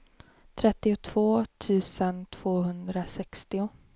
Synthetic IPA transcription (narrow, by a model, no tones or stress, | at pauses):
t̪ʰɾɛt̪ːɪʊt̪ʰv̥oːt̪ʰʉ̟ːsənt̪ʰv̥oːɦɵnd̪ɾasɛkst̪ɪʊ